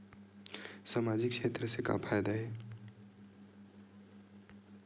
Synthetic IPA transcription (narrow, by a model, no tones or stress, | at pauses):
saːmaːd͡ʒɪkʃeːt̪ɾəseka̰pʰaːjd̪aɦɛː